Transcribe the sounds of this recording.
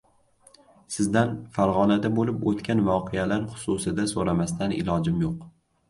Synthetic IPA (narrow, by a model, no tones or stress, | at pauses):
sɪzd̪anfaɾʁɒnad̪abolɪpot̪kʲʰanvɒqʰealaɾχʊ̥sʊsɪd̪asoɾamast̪ʰanɪ̰lˠɒd͡ʒɪmjoq